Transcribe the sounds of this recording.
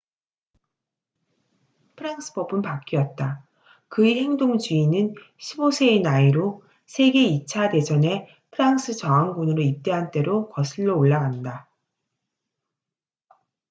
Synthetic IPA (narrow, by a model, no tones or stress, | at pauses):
pʰɯɾaŋs͈ʰɯ̥bʌbɯnpak͈iʌt̚t͈a | kɯihe̞ŋdoŋd͡ʑuinɯn | ɕʰibosʰe̞ːnaiɾo | sʰe̞ɡe̞it͡ɕʰade̞d͡ʑʰʌne̞ | pʰɯɾaŋs͈ʰɯt͡ɕʌaŋɡonɯɾoip̚t͈e̞ɦant͈e̞ɾokʌsʰɯɭːoːɭːaɡanda